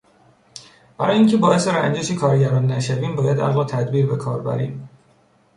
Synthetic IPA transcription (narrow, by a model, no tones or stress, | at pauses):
b̥æɾɒːjeiːŋcʰe̞bɒːe̞seɾænd͡ʒeʃikʰɒːɾɟæɾɒːnːæʃæviːmbɒːjæd̪ʔæ̰ɣlɒːt̪ʰæd̪biːɾbe̞kʰɒ̰ːɾbæ̰ɾḭːm